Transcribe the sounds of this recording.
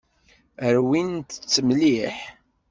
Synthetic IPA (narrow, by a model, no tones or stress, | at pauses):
əɾwint̪ət͡sːəmliħ